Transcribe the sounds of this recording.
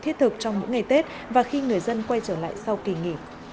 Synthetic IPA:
t̪ʰi˦˥t̚t̪ʰɨ˨˩k̚t͡ɕɔ˧ŋ͡mmo̰˧˥ŋa˨˩jt̪e˦˥t̚ | vaː˨˩xi˧ŋɨ˨˩əjzə˧nkwa˧jt͡ɕəː˧˩la̰ː˧˨jsa˧wki˨˩ŋḭ˧˩

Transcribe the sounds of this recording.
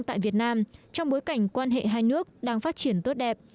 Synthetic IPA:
t̪a̰ː˧˨jvi˨˩ət̚naː˧mt͡ɕɔ˧wŋ͡mɓo˨˦jka˧˩jŋ̟kwaː˧nɦḛ˧˨ɦaː˧jnɨ˦˥ək̚ɗaː˧ŋfaː˦˥t̚t͡ɕi˧˩ənt̪o˦˥t̚ɗɛ˨˩p̚

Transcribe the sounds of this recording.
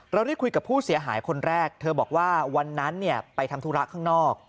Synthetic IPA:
ɾa˧wɾa˥˩jkʰu˧jka˨˩pʰuː˥˩si˩˦ɐɦaː˩˦jkʰo˧nɾɛː˥˩k̚t̪ʰɤː˧bɔː˨˩k̚waː˥˩wa˧nːa˦˥nːi˥˩ɐpa˧jt̪ʰa˧mt̪ʰuː˦˥˩ɾa˦˥ʔkʰaː˥˩ŋnɔː˥˩k̚

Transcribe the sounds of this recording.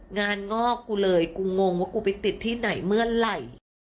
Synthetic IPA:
ŋaː˧nŋɔː˥˩kːuː˧˩lɤː˧jkuː˧ŋo˧ŋwaː˥˩kuː˧˩pa˧jt̪i˨˩t̪ʰːiː˥˩na˩˦jmɯ˥˩ənla˨˩j

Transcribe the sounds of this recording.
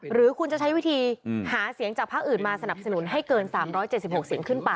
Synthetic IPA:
ɾɯː˨˩˦kʰu˧nt͡ɕa˨˩t͡ɕʰa˦˥jwi˦˥t̪ʰiː˧haː˩˦si˨˩˦əŋt͡ɕaː˨˩pʰaː˥˩k̚ʔɯː˨˩nmaː˧sa˧na˨˩p̚sa˧nu˩˦nɦa˥˩jkɤː˧nsaː˩˦mɾɔː˦˥jt͡ɕe˨˩t̪̚si˨˩p̚ho˨˩k̚si˩˦əŋkʰɯ˥˩npa˧

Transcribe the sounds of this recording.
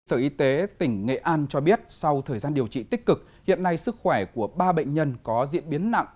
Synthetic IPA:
səː˧˩ʔi˨˧˦t̪e˨˦t̪ï˧˩ŋ̟ŋḛ˧˨ʔaː˧nt͡ɕɔ˧ɓi˦˥ət̚sa˧wt̪ʰəː˨˩jzaː˧nɗi˨˩əwt͡ɕḭ˧˨t̪i˦˥k̟̚kɨ˨˩k̚ | hḭ˧˨ənːa˧jsɨ˦˥k̚xwɛ˧˩ku˧˩əɓaː˧ɓə̰˧˨jŋ̟ɲə˧nkɔ˨˦zḭ˧˥ənɓi˨˦ənːa̰˧˨ʔ

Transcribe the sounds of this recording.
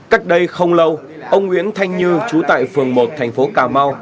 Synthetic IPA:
ka˦˥k̚ɗə˧jxə˧wŋ͡mlə˧w | ʔə˧wŋ͡mhwḭ˧˥ənt̪ʰa˧jŋ̟ɲɨ˧t͡ɕu˨˦t̪a̰ː˧˨jfɨ˨˩əŋmo˨˩t̚t̪ʰɛ˨˩jŋ̟fo˨˦kaː˨˩ma˧w

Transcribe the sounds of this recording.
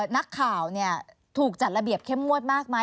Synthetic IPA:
na˦˥kʰːaː˨˩wni˥˩ə | t̪ʰuː˨˩k̚t͡ɕa˨˩t̪̚la˧bi˨˩əp̚kʰe˥˩mmu˥˩ət̪̚maː˥˩k̚ma˦˥

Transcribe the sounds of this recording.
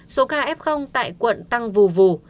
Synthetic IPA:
so˨˦kaː˧ʔɛ˦˥p̚xə˧wŋ͡mt̪a̰ː˧˨jkwə̰˧˨nt̪a˧ŋvu˨˩vu˨˩

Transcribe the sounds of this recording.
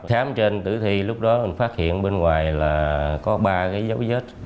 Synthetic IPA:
xaː˨˦mt͡ɕe˧nt̪ɨ̰˧˩t̪ʰi˧lʊ˦˥k͡p̚ɗɔ˨˦˨faː˦˥t̚hḭ˧˨ənɓe˧nŋwaː˨˩jlaː˨˩kɔ˨˦ɓaː˧kaː˨˦jzə˨˦wzə˦˥t̚

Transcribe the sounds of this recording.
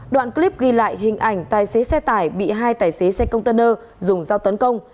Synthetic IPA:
ɗwa̰ː˧˨nkli˦˥p̚ɣi˧la̰ː˧˨jɦï˨˩ŋ̟ʔa˨˩jŋ̟t̪aː˨˩jse˨˦sɛ˧t̪aː˧˩jɓḭ˧˨ɦaː˧jt̪aː˧˩jse˨˦sɛ˧kə˧wŋ͡mt̪e˧nəː˧ | zʊ˨˩ŋ͡mzaː˧wt̪ə˨˦nkə˧wŋ͡m

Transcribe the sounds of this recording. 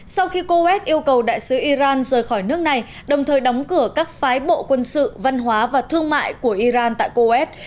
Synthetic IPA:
sa˧wxi˧ko˧ʔɛ˦˥t̚ʔi˧əwkə˨˩wɗa̰ː˧˨jsɨ˨˦ʔi˧zaː˧nzəː˨˩jxɔ˧˩jnɨ˦˥ək̚na˨˩j | ɗə˨˩wŋ͡mt̪ʰəː˨˩jɗɔ˨˦wŋ͡mkɨ˧˩əkaː˦˥k̚faː˨˦jɓo̰˧˨kwə˧nsɨ̰˧˨va˧nɦwaː˨˦vaː˨˩t̪ʰɨ˧əŋma̰ː˧˨jku˧˩əʔi˧zaː˧nt̪a̰ː˧˨jko˧ʔɛ˦˥t̚

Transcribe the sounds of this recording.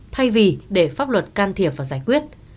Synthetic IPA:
t̪ʰa˧jvi˨˩ɗe˧˩faː˦˥p̚lwə˨˩t̚kaː˧nt̪ʰi˨˩əp̚vaː˨˩zaː˧˩jkwi˦˥ət̚

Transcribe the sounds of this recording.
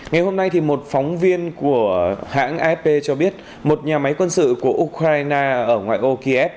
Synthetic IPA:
ŋa˨˩jho˧mna˧jt̪ʰi˨˩mo˨˩t̚fɔ˨˦wŋ͡mvi˧ənku˧˩əha̰ː˧˥ŋʔɛ˧˦˥ppe˧t͡ɕɔ˧ɓi˦˥ət̚ | mo˨˩t̚ɲaː˨˩ma˨˦jkwə˧nsɨ̰˧˨ku˧˩əʔu˦˥kɾaː˧jnaː˧ʔəː˧˩ŋwa̰ː˧˨jʔo˧ki˧ʔɛ˦˥p̚

